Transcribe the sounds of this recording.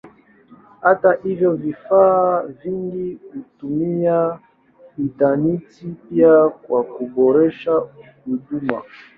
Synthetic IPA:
hataʔivjɔvifaːviŋɡikutumia | itanitipiakwakubɔɾɛʃa | uduma̰

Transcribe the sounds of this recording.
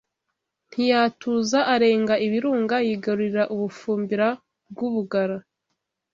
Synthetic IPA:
n̥hijaːtʰuːzaʔaɾe̞ːŋɡaʔiβiɾuːŋɡajiɡaɾuɾiɾaʔuβufuːmbiɾa | b̚ɡuβuɡaɾa

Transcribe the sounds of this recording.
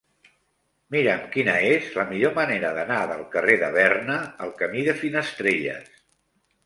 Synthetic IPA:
miɾəmkinəezləmiʎoməneɾəðənaðəlˠkəreðə̰β̞ɛrnəəlˠkəmiðəfinəst̪ɾeʎə̰s

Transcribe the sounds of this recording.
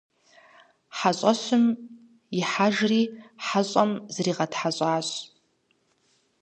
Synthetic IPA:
ħaɕʷʼaɕʷʊm | iħaʒriħaɕʷʼamzriːʁadħaɕʷʼaːɕʷ

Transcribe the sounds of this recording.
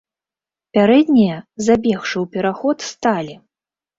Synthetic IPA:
pʲaɾɛd̪ʲnʲijɐzabʲɛxʂɨwpʲɛɾaxɔt̪st̪alʲi

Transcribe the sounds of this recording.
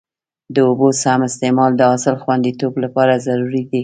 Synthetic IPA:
d̪əobosamɪst̪emɑld̪əɑsɪlxwand̪it̪oblapɑɾazaɾuɾid̪i

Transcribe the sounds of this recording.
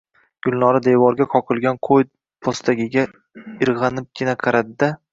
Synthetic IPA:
ɡ̥ʊlˠnɒɾad̪ejvɒɾɡʲaqʰɒqʰɨlˠɡʲanqʰoj̪ | pʰost̪ʰaɡʲɪɡʲa | ɪɾʁɑnɪp̚kʲɪnaqʰɑɾad̪ɪd̪a

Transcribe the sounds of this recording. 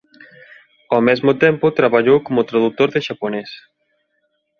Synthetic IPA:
ɔmɛzmot̪empot̪ɾaβaʎowkomot̪ɾaðut̪oɾðeʒaponɛs

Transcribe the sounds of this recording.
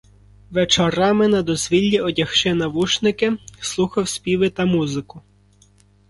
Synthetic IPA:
ʋet͡ʃɐɾɑmɪnɐd̪ɔzʲʋʲilʲːiɔdʲɐxʃɪnɐʋuʃnɪkɪslˠuxɐwsʲpʲiʋɪt̪ɐmuzɪkʊ

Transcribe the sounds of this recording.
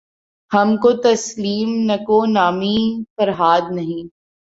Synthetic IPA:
hɐmkot̪ɐsliːmnɐkonaːmifɐɾɦaːd̪̚nɐɦĩː

